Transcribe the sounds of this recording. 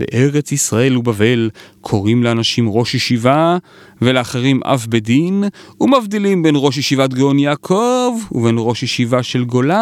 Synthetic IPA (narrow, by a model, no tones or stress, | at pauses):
lḛʔe̞ʁet͡sisʁae̞lubave̞lkʰo̞ʁimleanaʃimʁo̞ʃheʃiva | veleaχeʁimʔa̰fbedinumavd̪ilimbe̞nʁo̞ʃ̬jeʃivat̪̚ɡeonjaːkʰovuve̞nʁo̞ʃjeʃivaʃe̞lɡo̞la